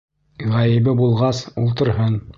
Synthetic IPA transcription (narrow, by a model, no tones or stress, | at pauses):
ʁæjɘ̆βɘbulˠʁɑsulˠt̪ɤ̆ɾhɤn